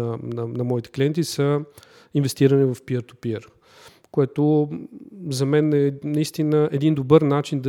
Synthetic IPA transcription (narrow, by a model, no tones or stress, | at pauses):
nɐnɐmɔit̪ɛ̥kliɛnt̪isə | invɛst̪iɾənivɐfpiəɾt̪u̥piəɾ | koɛt̪o | zɐmɛnɛnɐist̪inəʔɛd̪ind̪obəɾnat͡ʃind̪ɐ